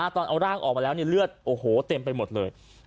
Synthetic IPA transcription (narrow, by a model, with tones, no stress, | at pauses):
ʔa˧˩t̪ɔː˧nʔa˧wɾaː˥˩ŋʔɔ̰ː˨˩k̚ma˧lɛ˦˥ni˥˩lɯ˥˩ət̪̚ʔoː˧˩hoː˨˩˦t̪e˧mpa˧jmo˨˩t̪̚lɤː˧j